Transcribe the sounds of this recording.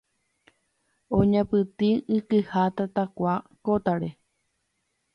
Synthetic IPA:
õɲãpɨt̪iɨkɨhat̪at̪akʷakot̪aɾe

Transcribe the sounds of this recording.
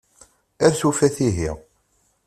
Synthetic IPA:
æɾθufæθiɦiʁ

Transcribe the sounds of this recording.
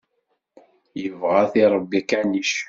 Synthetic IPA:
jəvʁaθiɾˤəbːikæniʃ

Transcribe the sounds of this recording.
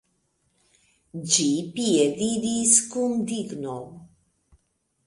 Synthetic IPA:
d͡ʒipiedid̪iskund̪iɡnow

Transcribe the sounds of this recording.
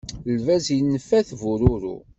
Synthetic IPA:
lvæzinːəfːæθvuɾʊɾṵ

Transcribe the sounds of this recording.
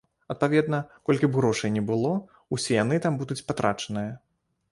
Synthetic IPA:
ɐt̪̚pavʲɛd̪nɐkɔlʲkʲibɣɾɔʂɐjnʲɛbɨlˠɔ | usʲɛjanɨt̪ambud̪ut͡sʲpat̪ɾat͡ʂɐnɨjɐ

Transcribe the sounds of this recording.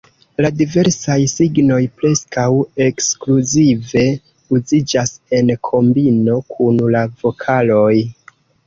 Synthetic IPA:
ladive̞ɾsajsiɡno̞jpɾe̞skawe̞kskluzive̞ | uzid͡ʒase̞nkʰo̞mbino̞kʰunlavo̞kʰalo̞j

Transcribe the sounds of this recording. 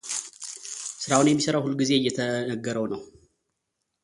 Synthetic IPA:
sɨɾawunjɛmːisəɾawhulɡize̞ɨjːɛt̪ʰənəɡːəɾəwnəw

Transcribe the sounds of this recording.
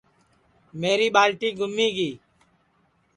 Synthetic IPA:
meːɾiːɓaːlʈiːɡʱʊmːiːɡiː

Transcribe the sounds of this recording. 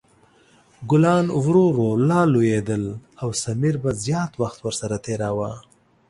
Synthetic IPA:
ɡʊlɑnwɾoɾolɑlojed̪əlawsamiɾbazjɑt̪waxt̪wəɾsaɾat̪eɾawa

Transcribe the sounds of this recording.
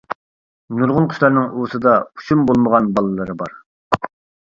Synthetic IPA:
nuɾʁʊnqʰʊ̥ʃʲlˠɑɾnɨŋʔusɨd̪ɑu̥ʃumbolˠməʁɑnbɑlˠɨlˠɨɾɨbɑ̰ɾ

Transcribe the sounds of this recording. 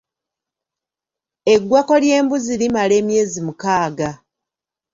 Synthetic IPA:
e̞ɡwako̞lje̞ːmbuzilimale̞ːmje̞ːzimukaːɡa

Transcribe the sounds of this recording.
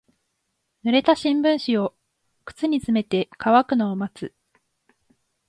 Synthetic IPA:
nɯ̟ɾe̞t̪aɕĩmbɯ̟̃ɰ̃ɕio̞ | kɯ̟̥t͡sɨɲ̟it͡sɨme̞t̪e̞kaβakɯ̟noːmat͡sɨ

